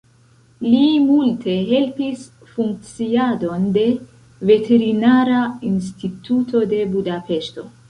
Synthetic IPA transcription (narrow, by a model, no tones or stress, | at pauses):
limultʰe̞ɦe̞lpis | fuŋk̚t͡siado̞nde̞ | ve̞tʰe̞ɾinaɾains̬titutʰo̞de̞budape̞ʃto̞̰